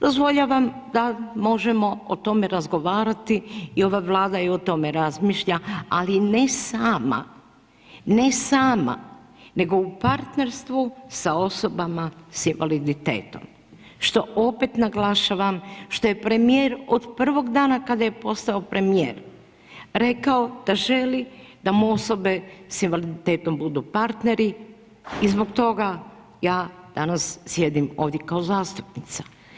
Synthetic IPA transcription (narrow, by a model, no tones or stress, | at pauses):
d̪̥o̞zʋo̞ʎaʋamd̪amo̞ʒemo̞ot̪o̞meɾazɡo̞ʋaːɾat̪iio̞ʋaʋlˠaːd̪aio̞t̪o̞me̞ɾazmiʃʎaalinesaːma̰ | ne̞saːma̰ | ne̞ɡo̞upaɾt̪ne̞ɾst̪ʋusao̞so̞bamasinʋalid̪it̪ḛːt̪o̞̰m | ʃt̪o̞o̞pe̞t̪naɡlaʃaʋamʃt̪o̞je̞pɾe̞mijeːɾo̞d̪pr̩ʋo̞ɡd̪aːnakad̪aje̞po̞st̪aopɾe̞mijeːɾ | ɾe̞kao̞d̪̥aʒe̞lid̪amuo̞so̞be̞sinʋalid̪it̪e̞ːt̪o̞mbud̪upaɾt̪ne̞ɾi | izbo̞ɡt̪o̞ɡa | jaːd̪̥anassje̞d̪imo̞ːʋd̪jekao̞zaːst̪u̥pnit̪sḁ